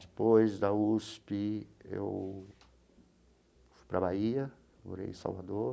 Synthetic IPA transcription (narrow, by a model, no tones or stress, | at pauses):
d̪epojzd̪ɐuspɪḛw | fu̥jpɾɐbaiɐ | mo̰ɾḛjsa̰wvad̪o